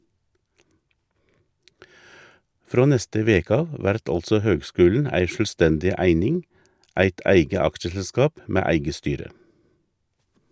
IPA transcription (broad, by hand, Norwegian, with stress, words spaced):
ˈfɾoː ˈnɛstə ˈʋeːkə ˈɑʋ ˈʋæɾt ˈɑlsɔ ˈhøːɡˌskʉːln̩ ˈæɪ ˌʃœlˈstɛndɪ ˈæɪnɪŋ ˈæɪt ˈæɪɡə ˈɑkʃəsəˌskɑːp ˈmeː ˈæɪɡə ˈstyːɾə